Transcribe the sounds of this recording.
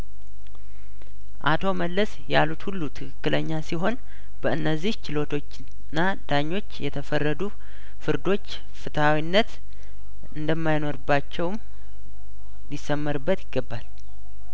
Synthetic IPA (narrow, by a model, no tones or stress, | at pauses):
ʔa̰t̪ʰo̞məlːəs | jalut̪hulːut̪ʰɨkʰɨkːɨləɲːasiɦo̞n | b̥əɨnːəzːiht͡ʃɪlo̞t̪ʰo̞t͡ʃː | nːa | d̪̥aɲːo̞t͡ʃːjɛt̪ʰəfərːəd̪u | fɨɾd̪o̞t͡ʃː | fɨt̪awinːət̪ | ɨnd̪əmːajno̞ɾɨbːat͡ʃːɛwm | lɪsːəmːəɾɨbːət̪ɪɡːəbːal